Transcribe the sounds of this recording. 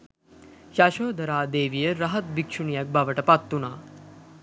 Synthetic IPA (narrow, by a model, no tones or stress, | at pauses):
ʃaːʃoːd̪ʱɐɾaːd̪eːʋijəɾɐɦɐt̪̚bikʂuɳijɐk̚bʱɐʋɐʈɐpat̪ːunaː